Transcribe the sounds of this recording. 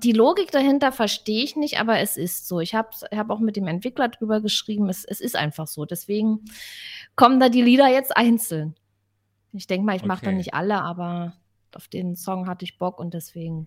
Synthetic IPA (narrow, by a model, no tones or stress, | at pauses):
d̥iːloːɡɪk̚d̥ahɪntɐfɛɐʃteːəɪçnɪçtʔa̰ːbɐɛsɪstz̥oːɪçhaːbsɪçhaːbaʊxmɪt̚d̥eːmɛntv̥ɪklɐdʁyːbɐɡəʃʁ̥iːbm̩ɛsɛsɪstʔa̰ɪnfaχz̥oːdɛsv̥eːɡŋ̩ | kʰɔməndaːdiːliːdɐjɛt͡stʔaɪnt͡sl̩n | ɪçd̥ɛŋkəmaːlɪçmaχəd̥anɪçtʔa̰ləʔaːbɐ | ʔaʊfd̥eːnsɔŋɦatəɪçb̥ɔkʊnt̚d̥ɛsv̥eːɡŋ̩